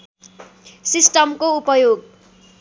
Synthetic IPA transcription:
sisʈʌmkoupʌjoɡ̚

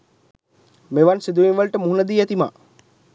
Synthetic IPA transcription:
meʋansid̪uʋinʋəlʈəmuɦunəd̪iːæt̪ima̰ː

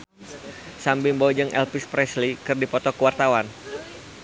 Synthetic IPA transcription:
sambimbod͡ʒɨŋʔɛ̰lpispɾɛslikɨrdipɔt̪ɔkəwart̪awan

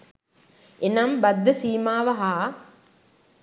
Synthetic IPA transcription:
enambɐd̪ːəsiːmaːʋɐɦaː

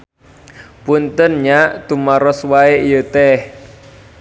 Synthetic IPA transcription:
punt̪ənɲaʔt̪umaɾɔswaeijət̪ɛh

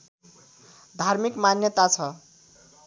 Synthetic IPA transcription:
d̪ʱarmikmanjʌt̪at͡sʰʌ

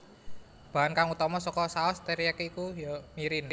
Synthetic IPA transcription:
b̥a̤ɦankaŋut̪ɔmɔsɔkɔsaɔst̪eɾiakikujɔmiɾin

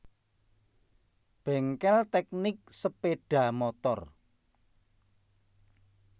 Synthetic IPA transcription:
b̥ɛ̤ŋkɛlt̪ɛk̚nɪk̚səpeɖ̥ä̤mɔt̪ɔr

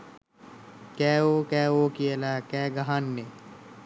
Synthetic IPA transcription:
kɛːoːkɛːoːkiɐlaːkɛːɡɐɦaːnːeː

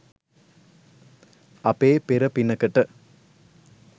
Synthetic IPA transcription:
ɐpeːpeɾɐpɪnːɐkːɐʈːɐ

